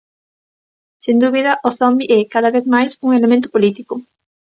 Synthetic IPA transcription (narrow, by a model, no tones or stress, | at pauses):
send̪uβiðɐʔoθɔmbiʔɛkaðɐβeθmajsuŋelemẽnt̪ʊ̥polit̪ikʊ